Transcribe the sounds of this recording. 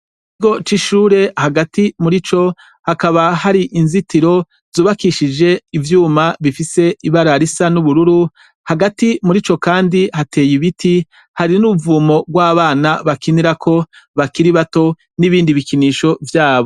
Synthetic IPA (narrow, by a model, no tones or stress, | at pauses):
ikiɡo̞t͡ʃiʃuːɾe̞haɡatimuɾit͡ʃo̞ | hakaβahaɾiʔinzitiɾo̞ | z̥uːβakiʃid͡ʒe̞ivjuːmaβifise̞iβaɾaɾisanuβuɾuɾu | haɡatimuɾit͡ʃo̞kaːndihate̞ːjiβitʰi | haɾinuuvuːmo̞ɡwaːβaːnaβakiniɾakʰo̞βakiɾiβato̞ | niβiːndiβikiniːʃo̞vjaːβo̞